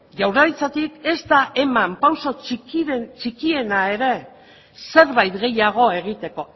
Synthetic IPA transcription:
ʝawɾaɾit͡sat̪ike̞zt̪aʔe̞mampawso̞t͡ʃit͡ʃikie̞nae̞ɾe̞ | se̞ɾβajt̪ɣe̞jaɣ̞o̞e̞ɣ̞it̪e̞ko̞

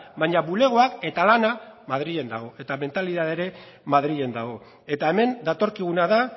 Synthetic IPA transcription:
βaɲaβule̞ɣ̞o̞ake̞t̪alanamað̞ɾie̞nd̪a̰ɣ̞o̞e̞t̪ame̞nt̪aliðaðeɾe̞ | maðɾie̞nd̪aɣ̞o̞ | e̞t̪ae̞me̞nd̪at̪o̞ɾkiɣ̞unaða

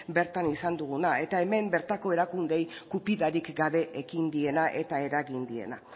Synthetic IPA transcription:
be̞ɾt̪anisand̪uɣ̞unae̞t̪ae̞me̞mbe̞ɾt̪ako̞e̞ɾakund̪e̞jkupiðaɾikɡaβe̞ʔekind̪ie̞naʔe̞t̪ae̞ɾaɣind̪ie̞̰na

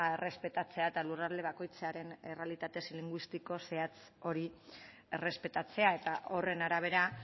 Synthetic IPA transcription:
e̞re̞spe̞t̪at͡se̞aet̪alurald̪e̞β̞ako̞jt͡saɾe̞nere̞alit̪at̪e̞siliŋɡwist̪iko̞se̞at͡s | o̞ɾi | ere̞spe̞t̪at͡se̞ae̞t̪aʔo̞re̞naɾaβ̞e̞ɾa

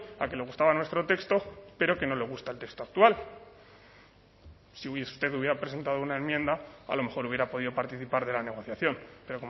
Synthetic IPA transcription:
ake̞le̞ɣ̞ust̪aβanwe̞st̪ɾo̞t̪e̞kst̪o̞pe̞ɾo̞ke̞no̞le̞ɣ̞ust̪aelt̪e̞kst̪oak̚t̪ual | sist̪e̞ðuβje̞ɾapɾese̞nt̪aðo̞unae̞nmjẽ̞nd̪aa̰lome̞xo̞ɾuβjeɾapo̞ðiðo̞paɾt̪iθipaɾðe̞lane̞ɣ̞o̞θjaθjo̞npe̞ɾo̞ko

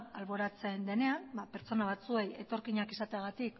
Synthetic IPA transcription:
alβo̞ɾat͡se̞nd̪e̞ne̞anbape̞ɾt͡so̞naβ̞at͡sue̞je̞t̪o̞ɾkiɲakesat̪e̞aɣ̞at̪ik

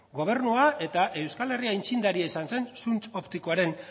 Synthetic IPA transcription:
ɡo̞β̞e̞ɾnuaʔe̞t̪aʔe̞wskale̞riaint͡ʃind̪aɾiaisanse̞nsunt͡so̞pt̪ikoaɾe̞n

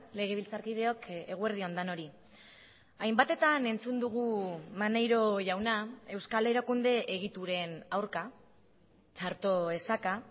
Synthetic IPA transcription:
le̞ɣ̞e̞β̞ilt͡saɾkið̞e̞o̞ke̞ɣue̞ɾð̞io̞nd̪ano̞ɾi | ajmbat̪e̞t̪ane̞nt͡sund̪uɣ̞umanejɾo̞ʝawnae̞wskale̞ɾakund̪e̞ʔeɣ̞it̪uɾe̞nawɾka | t͡ʃaɾt̪o̞e̞saka

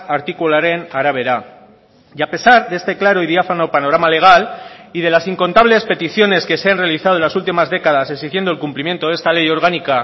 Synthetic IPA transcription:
aɾt̪ikulaɾe̞naɾaβe̞ɾa | iape̞saɾðee̞st̪e̞klaɾo̞iðjafano̞pano̞ɾamale̞ɣ̞aliðe̞lasiŋko̞nt̪aβle̞spe̞t̪iθjo̞ne̞ske̞seanre̞aliθaðonlasult̪̬imazðe̞kað̞asesixjend̪o̞lkumplimje̞nt̪o̞ðe̞st̪ale̞jo̞ɾɣanika

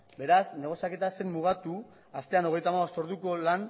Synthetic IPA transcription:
be̞ɾasne̞ɣ̞o̞sijake̞t̪ase̞mːuɣ̞at̪u | ast̪e̞ano̞ɣ̞e̞jt̪amaβost̪o̞ɾðuko̞lan

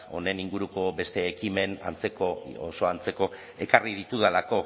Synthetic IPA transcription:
o̞̰ne̞niŋɡuɾuko̞be̞st̪e̞ːkime̞na̰nt͡se̞koo̰so̞ant͡se̞ko̞ | e̞karið̞it̪uðelako̞

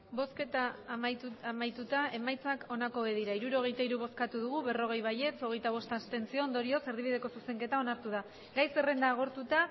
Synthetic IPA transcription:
bo̞ske̞t̪a | amajt̪ut̪ae̞majt͡sako̞nako̞βeðiɾaiɾuɾo̞ɣ̞e̞jt̪aiɾuβo̞skat̪uð̞uɣ̞uβe̞ro̞ɣ̞e̞jβaje̞t͡so̞ɣ̞e̞jt̪aβo̞st̪ast̪e̞nt͡sio̞ːnd̪o̞ɾio̞se̞ɾðiβiðe̞ko̞suse̞ŋke̞t̪aonaɾt̪uða | ɡajse̞re̞nd̪aːɣ̞o̞ɾt̪ut̪a

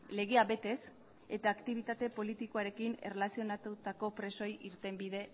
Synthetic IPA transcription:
le̞ɣ̞e̞aβe̞t̪e̞s | e̞t̪aːkt̪iβ̞it̪at̪e̞po̞lit̪ikoaɾe̞kine̞̰relasio̞nat̪ut̪ako̞pɾe̞so̞jiɾt̪e̞mbiðe̞

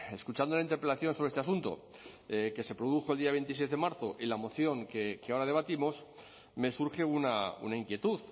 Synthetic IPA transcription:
e̞skut͡ʃand̪olaint̪eɾpɾeaθjo̞nsoɾest̪easunt̪o̞̰ | eke̞se̞pɾoð̞uxold̪iaβe̞nt̪isezðe̞maɾθoʔilamo̞θjo̞ŋkekeaoɾaðe̞β̞at̪imo̞s | me̞suɾxe̞unaṵnaiŋkje̞t̪uθ

